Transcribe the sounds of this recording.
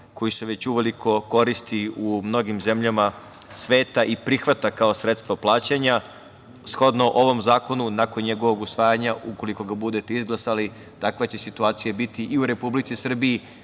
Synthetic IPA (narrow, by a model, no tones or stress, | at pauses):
ko̞jisuʋe̞t͡ɕuʋe̞liko̞ko̞ɾist̪iumno̞ɡimze̞mʎama | sʋe̞ːt̪aʔipɾixʋat̪akaosɾet̪st̪ʋoplˠaːt͡ɕaɲa | sxo̞d̪no̞ʔo̞ʋo̞mzaːko̞nunako̞nɲe̞ɡo̞ʋo̞ɡusʋaːjaɲauko̞liko̞ɡabud̪e̞t̪eizɡlˠasali | t̪akʋet͡ɕe̞sit̪uaːt̪sijabit̪iʔiuɾe̞publit̪sisr̩biji